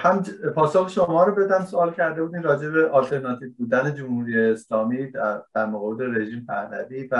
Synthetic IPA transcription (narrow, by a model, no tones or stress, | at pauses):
hæmpʰɒːsoxeʃomɒːɾobe̞d̪ænd̪soɒːlcʰæɾd̪e̞buːd̪iːnɾɒːd͡ʒe̞beʔɒlt̪ʰe̞ɾnɒt̪ʰiːvbuːd̪æne̞d͡ʒomhuːɾijeːslɒːmiːd̪̥æɾmoɣɒːbed̪eɾe̞ʒiːmpʰæɾvæ̰d̪iːvæ